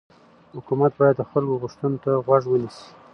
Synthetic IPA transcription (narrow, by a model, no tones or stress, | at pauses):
hʊkumat̪̚bɑjad̪̚ːəxalɡoɣʊʂt̪unot̪aɣwaʐwənisi̥